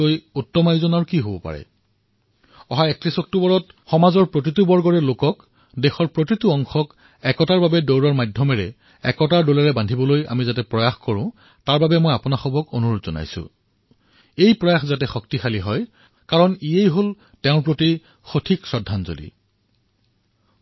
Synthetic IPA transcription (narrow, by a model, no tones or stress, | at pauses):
ojutːɔmajzɔnaɹkiɦobɔpa̰ɹɛ̰ | ɔɦaɛk̚tɹisɔk̚tubɔɹɔtxɔmazɔɹpɹot̬itubɔɹɡɔɹɛlokɔk | dexɔɹpɹot̬ituɔŋxɔk | ɛkɔtaɹbabɛdowɹɔɹmadʱjɔmɛɹɛ | ɛkɔtaɹdolaɹɛbandʱibɔloja̰mizatɛpɹɔjaxkɔɹʊ̃ | taɹbabɛmojapʊnaxɔbɔkonuɹodzɔna̰jsʊ̰̃ | ejpɹɔjaxzatɛxɔk̚tixaliɦɔj | kaɹɔniejɦol | tɛʊ̃ɹpɹoti | xotʰiksɹɔdʱːanzo̰lḭ